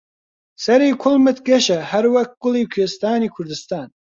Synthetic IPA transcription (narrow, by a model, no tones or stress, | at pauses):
sɐɾiːkʰʊlmɨt̪ʰɡɐʃɐhɐɾwɐk̪̚ɡ̥ʊliːkʰeːst̪aːniːkʰʊɾd̪ɨst̪aːn